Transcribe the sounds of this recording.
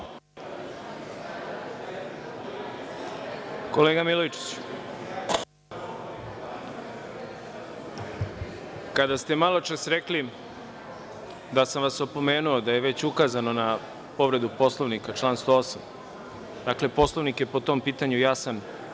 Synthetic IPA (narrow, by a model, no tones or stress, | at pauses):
ko̞leːɡamilojit͡ʃi̥t͡ɕ | kad̪ast̪e̞malˠo̞t͡ʃasɾekli | d̪asamʋasopo̞meːnuo̞d̪aje̞ʋe̞t͡ɕukazano̞na | po̞ʋɾe̞d̪upo̞slˠoʋnikat͡ʃlˠaːnst̪o̞osam | d̪akle̞po̞sloʋnikje̞pot̪o̞mpiːt̪aɲujasan